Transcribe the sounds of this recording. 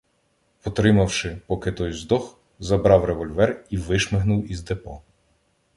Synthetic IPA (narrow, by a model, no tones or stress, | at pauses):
ɔt̪ɾɪmɐwʃɪpɔkɪt̪ɔjzd̪ɔx | zɐbɾɑwɾeʋɔlʲʋɛriʋɪʃmɪɦnʊwizd̪epɔ